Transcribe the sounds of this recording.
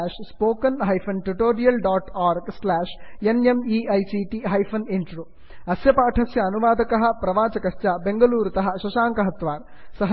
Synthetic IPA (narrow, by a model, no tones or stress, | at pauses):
ʂspoːkɐnɦɐjfɐnʈuʈoːɾijɐlɖaːʈaːɾɡslaːʂenemiɐjsiʈiɦɐjfɐniɳʈroː | ɐsjɐpaːʈʰɐsjɐːnuʋaːd̪ɐkɐɦɐ̆pɾɐʋaːt͡ʃɐkɐʂt͡ʃɐbe̞ŋɡɐluːɾt̪ɐɦɐʃɐʃaːŋkɐɦɐt̪ʋaːɾ | sɐɦɐ